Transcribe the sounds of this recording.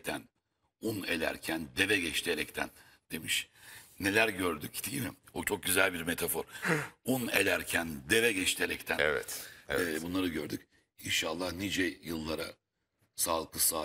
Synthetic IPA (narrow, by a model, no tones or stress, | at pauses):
t̪ʰæn | une̞lʲæ̰ɾcʰænd̪e̞vɛɟɛt͡ʃt̪ʰieɾɛct̪ʰæ̰n | d̪̥e̞miʃne̞lʲæɾɟøɾd̪ycd̪ʰijimiot͡ʃʰo̞k̚ɟyzælʲbiɾmet̪ʰafoɾunḛlʲæɾcʰænd̪e̞vɛɟɛt͡ʃt̪ʰeɾɛct̪ʰæɛɛ̰t̪ːbunlˠaɾɯɟøɾd̪y̰c | inʃaːlˠːahnid͡ʒɛjɯlˠːaɾa̰ | salˠkʰɯsa